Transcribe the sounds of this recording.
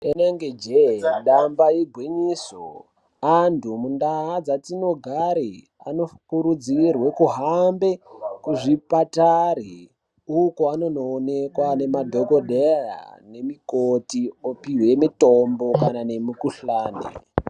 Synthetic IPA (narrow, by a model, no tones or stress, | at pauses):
eneŋɡed͡ʒeɗambaiɡʱwiɲiːso | antʰumundaɦad͡zatino̞ɡʱaɾi | a̰no̞kuɾud͡zirwe̞kuɦambe̞kuʐipatari | ukoano̞no̞ːne̞kwane̞madʱo̞ko̞ɗera̰ne̞mikotiopiwe̞mitombo̞kanane̞mikuɬaːnḛ